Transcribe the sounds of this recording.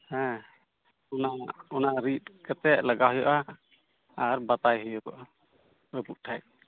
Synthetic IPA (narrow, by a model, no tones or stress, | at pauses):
hɛ̃ | ɔnaʔɔnaʔɾit̪̚kat̪ɛʔləɡaɦɔjɔʔa | aɾbat̪ajɦɔjɔɔ̰ʔa | bɛpuʔ̚ʈʰaj